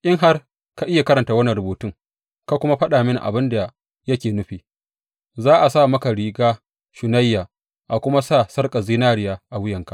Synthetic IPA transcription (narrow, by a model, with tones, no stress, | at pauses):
ʔʲʼɪ˦ŋɦa˦r | ka˦ʔɪ˦ja˨kɐ˦ɾɐ˨nta˨˦wɐ˦ni˨ɾʊ˨boː˨tʊ˦ŋ | ka˦kʷʊ˦ma˦ɸɐ˦ɗaː˨mɪ˦n̰˨ʔa̰˨bɪ˦nda˨ | jɐ˦kʲeː˨nʊ˦ɸiː˨ | zaː˦ʔa˨saː˦˨mɐ˦ka˨ɾiː˨ɡaː˦ | ʃʊ˨na˦jːaː˨ | ʔa˨kʷʊ˦ma˦saː˦˨sɐ˦rkʼa˨ziː˦naː˦ɽɪ˨jaː˦ʔa˨wʊ˦jɐ˨ŋka˦ʔ